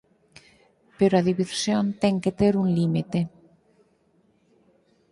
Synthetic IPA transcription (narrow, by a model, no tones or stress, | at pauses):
peɾoaðiβiɾsjont̪ɛŋket̪eɾuŋlimit̪e